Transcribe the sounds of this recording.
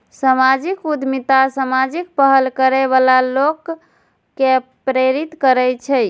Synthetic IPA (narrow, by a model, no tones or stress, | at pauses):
samad͡ʒikud̪ʱmit̪asamad͡ʒik̚pəɦəlkəɾeβalalokː | e | pɾeɾit̪kəɾɛt͡ʃʰɛj